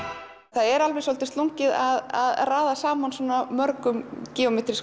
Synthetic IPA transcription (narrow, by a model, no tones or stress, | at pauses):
θaðɛɾalvɛsowlt̪ɪ̥st̪luŋcɪðaða̰ðraːðasaːmansɔːnamœɾkʏmcɛːɔmɛːt̪ɾis